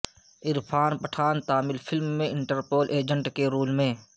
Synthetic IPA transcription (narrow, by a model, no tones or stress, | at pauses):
ɪɾpʰaːnpəʈʰaːnt̪aːmɪlpʰɪlmːẽɪ̃ɳʈəɾpoːlʔeːd͡ʒə̃ɳʈkeɾuːlmẽː